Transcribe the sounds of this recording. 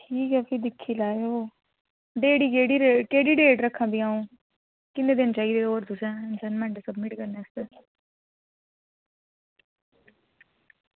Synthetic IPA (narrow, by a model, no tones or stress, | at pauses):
ʈʰiːkɛːpʰid̪ɪkʰːilaːeoː | ɖeːɽikeːɽiɾekeːɽiːɖeːɖɾəkʰːãːbʱiːãːũː | kɪneːd̪ɪnt͡ʃaːiːd̪eoːɾd̪ʊsɛ̃ɪnsənmɛ̃ɳʈesəbmɪʈkəɾneːst̪eː